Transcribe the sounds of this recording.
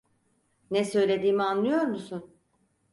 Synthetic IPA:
nɛsø̞jlʲe̞d̪iːmianlˠɯjo̞ɾmusun

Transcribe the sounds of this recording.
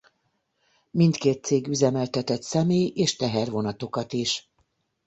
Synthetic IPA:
mint̪keːt̪seːɡyzɛmɛlt̪ɛt̪ɛt̪sɛmeːjeːʃt̪ɛɦɛrvo̞nɒt̪o̞kɒt̪iʃ

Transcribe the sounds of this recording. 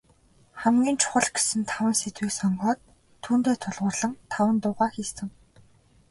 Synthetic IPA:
χæmɡʲiːnt͡ɕʰʊ̥χə̆ɮɡe̥sɘ̆nt̪ʰawə̆nset̪wiːksɔɴɢɔːt̪ʰː | uːnt̪eːt̪ʰʊɮʁʊ̆ːrɮə̆ŋt̪ʰawə̆nt̪ʊʁaːxiːst̪ɘ̆ŋ

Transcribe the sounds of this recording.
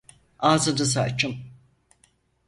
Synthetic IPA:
aːzɯd̪ɯs̬at͡ʃːɯm

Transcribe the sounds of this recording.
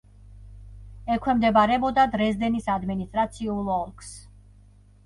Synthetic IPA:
ɛkʰwɛmd̪ɛbaɾɛbɔd̪ad̪ɾɛzd̪ɛnisad̪minist̪ʼɾat̪sʰiulˠɔlˠkʰs

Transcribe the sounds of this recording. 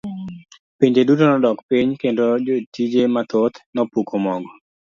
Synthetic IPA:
piɲd͡ʒedutonɔdɔkpiɲkendod͡ʒotid͡ʒemat̪ot̪nɔpukʰomɔŋɡɔ

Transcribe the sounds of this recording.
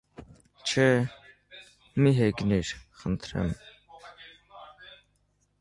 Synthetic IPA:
t͡ʃʰɛ | miɦɛɡniɾχənt̪ʰɾɛ̰m

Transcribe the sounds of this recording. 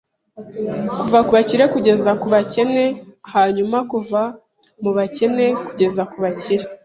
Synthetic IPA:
kuvakuβaciɾe̞kuɟe̞zakuβace̞ne̞haːɲumakuva | muβace̞ne̞kuɟe̞zakuβaciɾe

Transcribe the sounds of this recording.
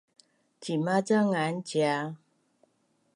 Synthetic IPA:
t͡ɕimat͡səŋant͡ɕja

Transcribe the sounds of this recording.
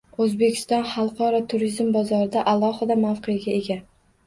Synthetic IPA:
ɵzbe̞kʲʰɪ̥st̪ɒnχɑlˠqʰɒɾɒt̪ʰʊɾizmbɒzɒɾɪd̪aʔalˠɒhɪd̪amawqʰejaɡʲae̞ɡʲa

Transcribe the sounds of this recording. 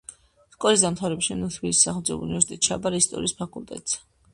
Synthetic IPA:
skʼɔlis̬d̪amt̪ʰavɾɛbʃinut̪ʰbilissaχlˠd̪zɛ̰ṵnivɛɾsi̥t̪ʼɛt̪̚t͡ʃʰa̰baɾist̪ʼɔ̰ɾiːspʰakʼult̪ʼɛ̰t̪ʼz̥ɛ̥

